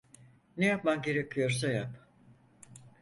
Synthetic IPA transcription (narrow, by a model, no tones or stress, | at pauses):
nejap̚mamɟe̞ɾecʰijo̞ɾsajap